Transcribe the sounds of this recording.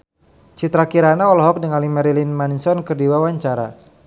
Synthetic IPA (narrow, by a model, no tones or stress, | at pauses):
t͡ʃit̪ɾakiɾanaɔlɦɔk̚dəŋalimɛɾilɪnmansɔnkɨrdiwawaɲt͡ʃaɾa̰